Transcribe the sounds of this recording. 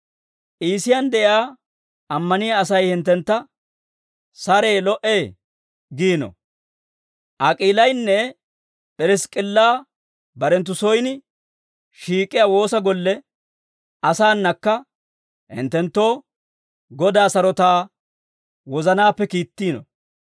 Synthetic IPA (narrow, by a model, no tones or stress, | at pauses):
ʔiːsɪjɐnd̪ɛʔɪaː | ʔɐmːɐnɪjaːs̬ɐjhɪnt̪ːɛnt̪ːɐ | sɐɾeːlɔʔeː | ɡiːnɔ̰ | ʔɐkʼiːlɐjnːɛ | pʼɛɾɛskʼɪlːaː | bɐɾɛnt̪̬ːʊsɔjnɪ | ʃiːkʼːɪjaːwo̞ːsɐɡɔlːɛ | ʔɐsaːnːɐkːɐ | hɪ̰nt̪ːɛnt̪ːo̞ː | ɡɔd̪aːsɐɾɔt̪aː | wɔzɐnaːpːɛkiːt̪ːiːnɔ̰